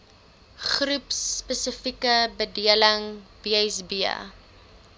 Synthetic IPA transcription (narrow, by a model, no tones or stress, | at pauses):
χrupspəsəfikəbədiələŋb̥iəjsbiə̰